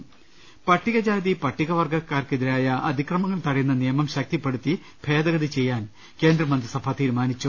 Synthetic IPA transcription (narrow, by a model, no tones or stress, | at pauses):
pɐʈːiɣɐd͡ʑaːðipɐʈːiɣɐʋɐrɡɐkːaːrkeðiɾaːjɐʔɐd̪ʱikrɐmɐŋːɐɭt̪ɐɽijunːɐnijɐmɐmɕɐk̚t̪ipːe̞ɽut̪ːi | bʱe̞ːd̪ɐɣɐðit͡ɕe̞jːaːn | ke̞ːnd̪rɐmɐnd̪risɐbʱaːt̪iːɾumaːnit͡ɕːu